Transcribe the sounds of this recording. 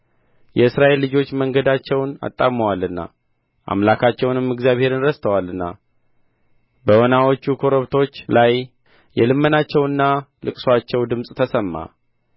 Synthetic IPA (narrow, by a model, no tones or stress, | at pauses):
jɛɨsɾaʔe̞lːɨd͡ʒo̞t͡ʃːməŋɡəd̪at͡ʃːɛwna̰t̪ʼːaməwalːɨnːa̰ | ʔa̰mlakʰat͡ʃːɛwnɨmːɨɡzjaβhe̞ɾɨnɾəst̪ʰəwalɨnːa̰ | bəwonawo̞t͡ʃːukʰo̞ɾoβt̪ʰo̞t͡ʃːlaj | jɛlɨmːənat͡ʃːɛwɨnːalɨkʼswat͡ʃːɛwd̪ɨmsʼt̪ʰəsəmːa̰